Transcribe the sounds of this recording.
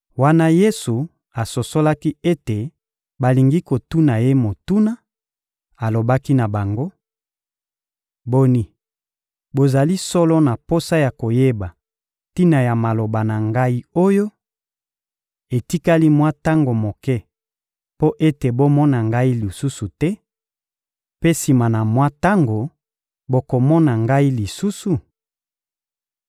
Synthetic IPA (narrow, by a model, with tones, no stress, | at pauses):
wa˦na˦je˦su˨ | a˨so˨so˦la˦ki˦e˦te˨ | ba˨li˨ŋɡi˦ko˨tu˦na˨je˦mo˨tu˦na˦ | a˨lo˨ba˦ki˦na˨ba˨ŋɡo˦ | bo˦ni˦ | bo˨za˨li˦sɔ˦lɔ˦na˨po˦sa˦ja˨ko˨je˦ba˨ | ti˦na˨ja˨ma˨lo˨ba˨na˨ŋɡa˦i˦o˦jo˦ | e˨ti˦ka˦li˦mwa˦ta˦ŋɡo˨mo˨kɛ˦ | po˦ʔe˦te˨bo˦mɔ˦na˨ŋɡa˦i˦li˨su˦su˨tɛ˦ | pe˦si˨ma˨na˨mwa˦ta˦ŋɡo˨ | bo˦ko˨mɔ˦na˨ŋɡa˦i˦li˨su˦su˨